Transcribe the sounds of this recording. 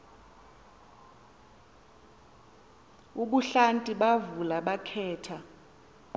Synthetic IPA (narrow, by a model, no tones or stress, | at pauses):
uɓuɬantʼiɓavulaɓakʰɛːtʰa